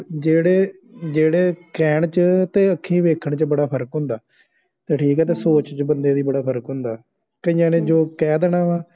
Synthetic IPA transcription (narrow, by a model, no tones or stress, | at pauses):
d͡ʒeːɽeː | d͡ʒeːɽeːkɛːɳt͡ʃət̪eːəkʰːĩːʋeːkʰəɳt͡ʃəbəɽaːpʰəɾəkɦʊ̃ːnd̪aː | t̪eːʈʰiːkɛːt̪eːsoːt͡ʃt͡ʃbənd̪eːd̪iːbəɽaːpʰəɾəkɦʊ̃ːnd̪aː | kəĩːjãːnẽːd͡ʒoːkɛːd̪ɛɽãːʋãː